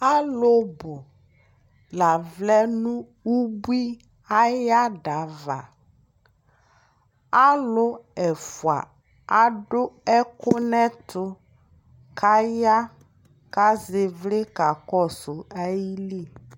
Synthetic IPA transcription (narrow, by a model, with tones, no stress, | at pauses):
a˦lʊ˦bʊ˨ | la˨vlɛ˦nũ˦ | u˦bu˦i˦ | a˦ja˦ɖa˨va˨ | a˦lʊ˦ɛ˨fu˨a̰˨ | a˨ɖʊ˦ɛ˦kʊ˦nɛ̃˦t̪ʊ˦ | kʰa˦ja˦ | ka˦zɪ˨vlɪ˦ka˨kɔ˦sʊ˨a˦ji˦li˦˨